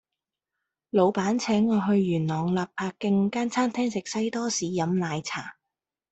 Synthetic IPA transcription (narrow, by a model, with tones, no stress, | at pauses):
lo˨˧wpaː˨˥nt͡sʰɛː˨˥ŋːɔː˨˧ɦɵ˧ɥːyː˨˩nnɔː˨˩ŋlaː˨p̚pʰaː˧kːɪ˧ŋkaː˥nt͡sʰaː˥nt̪ʰɛː˥ŋsɪ˨k̚sɐ˥jt̪ɔː˥siː˨˧jɐ˨˥mlaː˨˧jt͡sʰaː˨˩